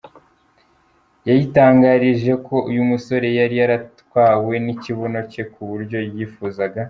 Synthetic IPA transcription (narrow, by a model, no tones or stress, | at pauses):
jajitaːŋɡaɾiʒe̞kʰo̞ʔujumuso̞ɾe̞jaɾijaɾatwaːwe̞niciβo̞no̞ce̞kuβuɾɟo̞jiːfuːzaɡa